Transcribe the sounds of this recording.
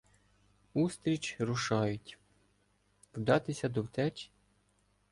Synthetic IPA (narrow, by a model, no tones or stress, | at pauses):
ust̪ɾʲit͡ʃɾʊʃɑjʊtʲ | wd̪ɑt̪ɪsʲɐd̪ɔwt̪ɛt͡ʃʲ